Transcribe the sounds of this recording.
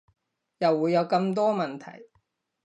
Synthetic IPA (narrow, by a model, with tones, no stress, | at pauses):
jɐ˨wːuː˨˧jːɐ˨˧wkɐ˧mt̪ɔː˥mɐ˨˩nt̪ʰɐ̰˨˩j